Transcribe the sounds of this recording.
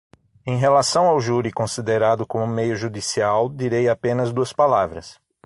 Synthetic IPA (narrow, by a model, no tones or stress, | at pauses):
ẽj̃ɦelasɐ̃w̃awʒuɾikõsid̪eɾad̪ʊkõmʊmejʊʒud̪isiawd̪iɾejapẽnɐzd̪uɐspalavɾɐ̰s